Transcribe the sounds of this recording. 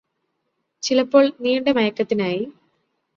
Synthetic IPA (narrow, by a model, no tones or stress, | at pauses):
t͡ɕilɐpːo̞ːɭniːɳɖemɐjɐkːɐt̪ːinaːji